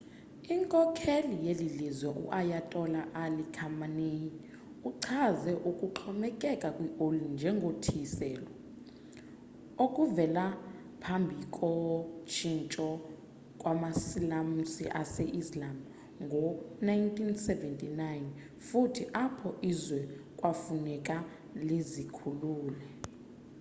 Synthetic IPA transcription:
iŋkʼɔkʰelijelilizwɛʔṵʔajatʼɔlaʔalikʰamaneji | uǀʰazɛʔukʼuǃʰɔmɛkʼɛkʼakʼwiʔolind͡ʒʱɛŋɡʱotʰisɛːlɔ | okʼuvɛla | pʰambʱikʼɔt͡ʃʰint͡ʃʼɔ | kʼwamasilamusiʔasɛʔislam | ŋɡʱɔnajntʰʼinsɛvɛntʼinajn | futʰiʔapʰɔʔizwɛkʼwafunɛkʼa | lizikʰuluːlɛ

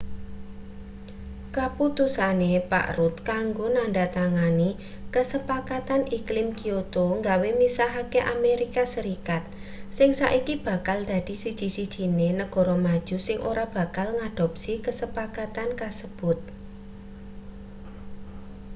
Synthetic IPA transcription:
kaput̪usanepa̰ʔɾut̪kaŋɡonaɳɖat̪aŋani | kəsəpakat̪anʔiklɪmkiot̪oŋɡawemisaɦakeʔameɾikasəɾikat̪̚sɪŋsa̰ʔikib̥ä̤kald̪̥a̤d̪̥i̤sid̥ʒ̥i̤sid̥ʒ̥i̤nenəɡ̥ɔ̤ɾɔmad̥ʒ̥ṳsɪŋʔoɾab̥a̤kalŋad̪̥ɔ̤p̚sikəsəpakat̪ankasəb̥ʊt̪̚

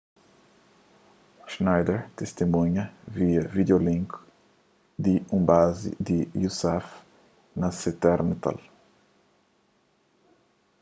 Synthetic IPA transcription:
ʃnajd̪ɛɾt̪est̪imũɲɐviɐvid̪eolĩŋk | d̪iũbazḭd̪ijusɛf | nɐset̪ɛɾnat̪a̰l

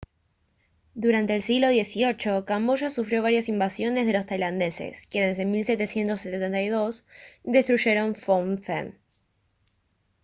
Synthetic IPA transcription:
d̪uɾant̪eːlsiɣlo̞ð̞je̞sio̞t͡ʃo̞kambo̞ʃasufɾjo̞βaɾjasimbasjo̞ne̞zð̞e̞lo̞st̪ajland̪e̞se̞̰skjenesemilse̞t̪e̞sje̞nt̪o̞sːet̪et̪ent̪ajðo̞sd̪e̞st̪ɾuʒe̞ɾo̞ɱfoɱθḛn

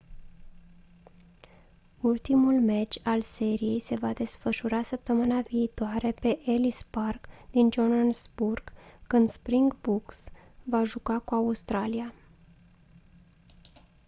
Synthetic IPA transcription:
ult̪imulmet͡ʃʲalse̞ɾije̞jse̞vad̪e̞sfəʃuɾasəp̚t̪əmɨnaviːt̪oaɾe̞pe̞ʔelisparɡd̪ind͡ʒonansburɡ̥kɨnd̪spɾiŋɡbuks | vaʒukakuaust̪ɾalia

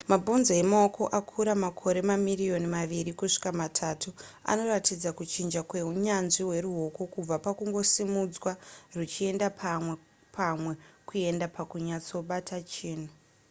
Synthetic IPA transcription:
mabʱunzoemaoko̞ʔakʰuɾamakʰo̞ɾe̞mamirijo̞nimaʋiɾikuʂi̥kamatʰatʰua̰no̞ratid͡zakut͡ʃind͡ʒakwe̞uɲanʐiwe̞ɾuɦo̞kokub͡vapakuŋɡo̞simud͡zwarut͡ʃie̞ndap | pamwe̞kue̞ndapakuɲat͡so̞ɓatʰat͡ʃiːn̤u

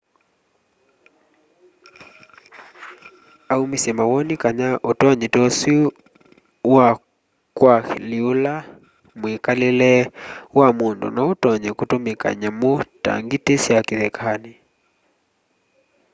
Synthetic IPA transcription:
aumisɛmawɔnikaɲaʔotɔɲɛtɔsi | wa | kwaliula | mekalelɛwamondɔ̰naotɔɲɛkutomeka̰ɲɛmota̰ŋɡitesiakiðɛkʰani

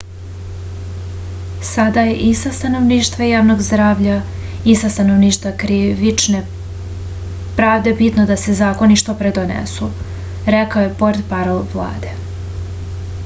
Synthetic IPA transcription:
sad̪aje̞ʔisast̪ano̞ʋniːʃt̪ʋajaːʋno̞ɡzd̪ɾaːʋʎa | isast̪anoʋniːʃt̪vakɾiʋit͡ʃne̞ | pɾaːʋd̪e̞bit̪no̞d̪ase̞zaːko̞niʃt̪opɾe̞d̪onḛsu | ɾekaojepo̞ɾt̪paɾolʋlˠa̰ːd̪e̞

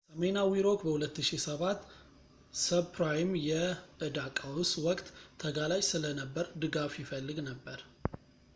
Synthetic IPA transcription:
səmenawiɾo̞kbəhulət̪ːɨʃisəβat̪ː | səpɾajmjɛʔɨd̪akʼawʊswɔkʼt̪ʰːəɡalat͡ʃʼsɨlənəbːəɾd̪ɨɡafjɪfəlːɨɡnəbːəɾ

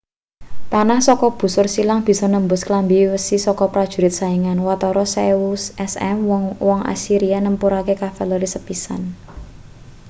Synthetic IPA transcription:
panahsɔkɔb̥ṳsʊrsilaŋb̥i̤sɔnəmbʊsklambiwəsisɔkɔpɾad̥ʒ̥ṳɾɪt̪̚saiŋanwat̪ɔɾɔsɛwusɛsɛ̰mŋwɔŋa̰siɾianəmpuɾakekafɛlɔɾisəpisa̰n

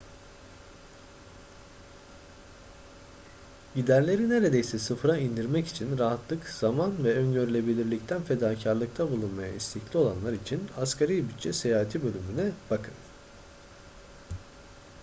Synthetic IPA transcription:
ɟid̪æɾlʲe̞ɾine̞ɾed̪e̞jsɛsɯfɾaind̪iɾmɛci̥t͡ʃʰinɾaɦat̪lˠɯkz̥amanvɛønɟøɾylʲe̞bilʲiɾlʲic̚t̪ʰænfe̞d̪aːcʰaɾlˠɯk̚t̪ʰabulˠunmaja̰ist̪ʰiclʲio̞lˠa̰nlˠaɾit͡ʃʰinaskʰaɾijbyt͡ʃʰːɛsejaːɦat̪ʰibø̞lʲymynɛb̥akʰɯn

